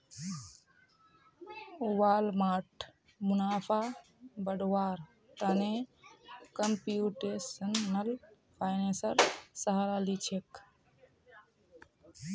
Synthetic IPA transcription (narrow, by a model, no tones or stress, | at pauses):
uwalmaːʈʰ | munapʰa | bəɖwaɾ | t̪əne | kəmpijuʈesənːəl | pʰaɪnesəɾsəɦaɾalit͡ʃʰek